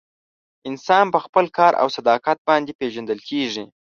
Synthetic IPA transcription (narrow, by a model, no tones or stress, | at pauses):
ɪnsɑnpəxpəlkɑɾʔa̰wsad̪ɑqat̪̚bɑnd̪epeʒand̪əlkʰeʐi